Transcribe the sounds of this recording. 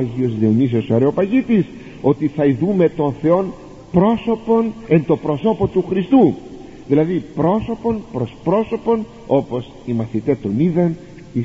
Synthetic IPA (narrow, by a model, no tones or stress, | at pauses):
ʝio̞zleonis̬osoɐɾeo̞pɐʝit̪is | o̞t̪iθɐiðume̞t̪o̞nθe̞o̞n | pɾo̞so̞po̞ne̞nt̪o̞pɾo̞so̞po̞t̪uxɾist̪u | ðilɐðipɾo̞so̞po̞npɾo̞spɾo̞so̞po̞n | o̞po̞s | imɐθit̪e̞t̪o̞niðɐn | i